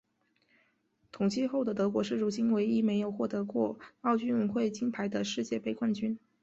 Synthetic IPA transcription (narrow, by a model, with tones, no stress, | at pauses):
t̪ʰʊ˨˩ŋt͡ɕʰi˥˧xo˥˩ʊd̪ə˩t̪ɤ˧˥kwɔ˧˥ʂɻ̩˥˩ɻu˧˥t͡ɕi˥nwe˧˥ɪi˥˩me˧˥ɪjo˨˩ʊxwɔ˥˩t̪ɤ˧˥kwɔ˥˩ɑ˥˩ʊt͡ɕy˥nu˧˥nxwe˥˩ɪt͡ɕi˥npʰa˧˥ɪd̪ə˧ʂɻ̩˥˧t͡ɕjɛ˥˩pe˥˧ɪkʰwa˥˩nt͡ɕy˥n